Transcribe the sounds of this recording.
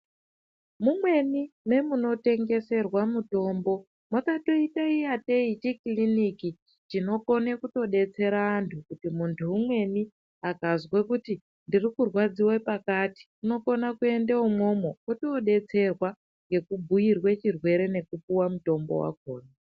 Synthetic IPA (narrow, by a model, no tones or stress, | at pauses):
mumwe̞nime̞muno̞te̞ŋɡe̞se̞rwamuto̞ːmbo̞ | masato̞itaijate̞it͡ʃikliniki | t͡ʃino̞ko̞nekuto̞ɗe̞t͡se̞ɾaːntʰukutimuntʰuːmwe̞ni | akazwekuti | ndirikurwad͡ziwepakati̥kuno̞ko̞nakue̞ndeumo̞mokoto̞ɗe̞t͡se̞rwa | ŋɡe̞kubʱujirwet͡ʃirwe̞ɾe̞ne̞kupuwamuto̞mbo̞̰wa̰koːna